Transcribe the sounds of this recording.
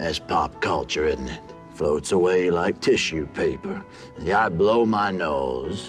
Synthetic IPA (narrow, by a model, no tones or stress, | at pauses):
ʔɨz̥pʰɑp̚kʰʌlˠt͡ʃə˞ɪ̃nnɪt̚ | floʊtsəweɪlaɪk̚tʰɪʃʉpʰeɪpə˞ | aɪbloʊmaɪnoʊz̥